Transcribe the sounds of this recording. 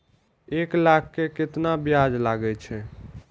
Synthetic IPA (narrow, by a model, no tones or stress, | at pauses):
eklakʰːekɪt̪nabjad͡ʒlaɡɛt͡ʃʰɛ